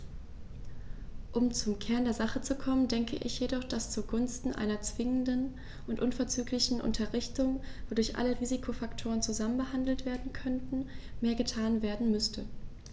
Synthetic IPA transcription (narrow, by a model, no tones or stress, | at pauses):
ʔʊmt͡sʊmkʰɛɐndeːɐzaχət͡sukʰɔməndɛŋkʰə̰ʔɪ̰çjedɔχd̥ast͡suɡʊnstn̩ʔa̰ɪnɐt͡sv̥ɪŋəndən | ʔʊntʔʊnfɛɐt͡syːklɪçn̩ʔʊ̰ntʰɐʁɪçtʊŋvoːdʊɐçʔa̰ləʁiːzikʰofaktʰoːʁ̞ənt͡suzamənbəɦandl̩tv̥eːɐdn̩kʰœntn̩meːɐɡətʰaːnveːɐdn̩mʏstʰə